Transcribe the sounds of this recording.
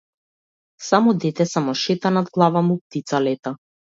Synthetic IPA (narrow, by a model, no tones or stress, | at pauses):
samɔd̪ɛt̪ɛsamɔʃɛt̪anad̪̚ɡlˠavamup̚t̪it̪salɛt̪a